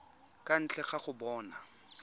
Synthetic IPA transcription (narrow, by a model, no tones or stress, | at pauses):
kʼan̩t͡ɬʰɛχaχʊbɔːna